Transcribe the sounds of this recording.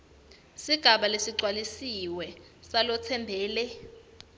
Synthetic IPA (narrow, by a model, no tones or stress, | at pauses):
siɡ̥ʱaɓalesiǀwalisiwɛ | salɔt͡sʰɛmbʱɛːlɛ